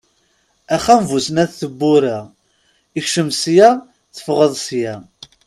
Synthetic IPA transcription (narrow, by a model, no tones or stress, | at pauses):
æχːæmvusənæðθəbːʊɾa | içʃəmsjæ | θə̥fʁəðˤsjæ